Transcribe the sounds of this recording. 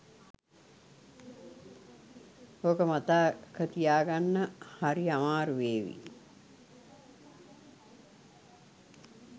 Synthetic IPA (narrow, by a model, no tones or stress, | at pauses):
okəmat̪aːkʰət̪ijaːɡanːəhaɾiamaːɾuʋeːʋḭ